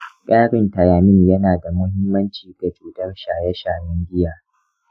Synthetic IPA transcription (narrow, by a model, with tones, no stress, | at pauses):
kʲʼaː˦ɽɪ˨ntɐ˨jaː˨mɪ˦ɲjɐ˦naː˨da˨mʊ˦ɦɪ˦mːɐ˦nt͡ʃiː˨ɡa˨d͡ʒuː˨tɐ˦rʃaː˨jɛ˦ʃaː˨jɐ˦ŋɡʲɪ˦jaː˨